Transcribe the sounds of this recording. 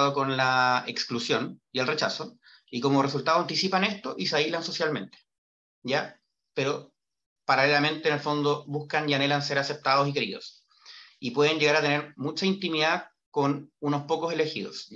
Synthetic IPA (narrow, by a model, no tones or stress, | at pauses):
ðoko̞nlaeksklusjonjelre̞t͡ʃaso | ikomoresult̪aðoant̪isipane̞st̪oʔisailanso̞sjalme̞nt̪e̥ | ɟ͡ʝa | peɾo | paɾalelamẽ̞nt̪ene̞lfo̞nd̪oβuhkaniane̞lans̬e̞ɾase̞p̚t̪aðos̬ike̞ɾḭðo̰s | ipweð̞eɲɟe̞ɣaɾat̪e̞ne̞ɾmut͡ʃaint̪imiða | konunospokose̞le̞xḭðo̰s